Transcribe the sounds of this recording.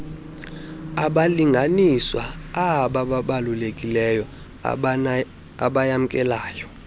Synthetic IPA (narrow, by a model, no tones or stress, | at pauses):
aɓaliŋɡʱaniswaaɓaɓaɓalulekʼilɛjɔ | aɓajam̩kʼɛlaːjɔ